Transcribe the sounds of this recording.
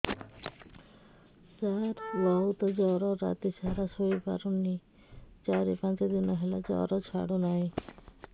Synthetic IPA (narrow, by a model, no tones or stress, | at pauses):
d͡ʑaɾbɔɦut̪ɔd͡ʑɔɾɔɾa̰t̪iʃaɾasojpa̰ɾonːi | t͡ɕaɾipãnt͡ɕed̪inɔɦɛlad͡ʑɔ̰ɾɔt͡ɕʰa̰ɽonaj